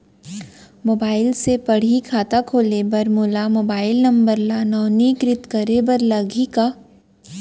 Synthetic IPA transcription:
moːbaːɪlsepɐɽ̤ikʰaːt̪akʰoːlebɐɾmoːlamoːbaːɪlnɐ̃mbəɾlanɔːniːkɾɪt̪kɐɾebɐɾlɐɡʱika

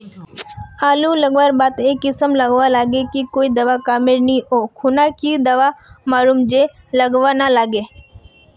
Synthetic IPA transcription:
aːluləɡʋaɾbaːt̪eːkːɪsəmləɡʋalaːɡekikoːid̪ɐʋakaːmɪɾniʔoːkʰʊnakid̪ɐʋamaːluːmd͡ʒe | ləɡʋanalaːɡeː

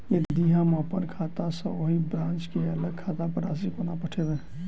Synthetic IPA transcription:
jed̪d̪iɦãmãpəɾkʰaːt̪asə̃oɦibɾãːnt͡ʃkeələɡ̚kʰaːt̪apəɾa̰s̬ikonapəʈʰed̪ɛ

